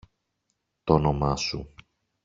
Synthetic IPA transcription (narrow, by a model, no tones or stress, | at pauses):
t̪onomɐsṵ